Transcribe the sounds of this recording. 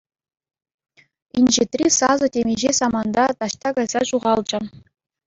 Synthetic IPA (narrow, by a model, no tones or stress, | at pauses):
inʲʑet̪rʲisɑzɤ̆tʲemʲeʑesɑmɑnd̪ɑt̪ɑɕt̪ɑɡɑjz̥ɑɕuʁɑlˠd͡ʑɘ̆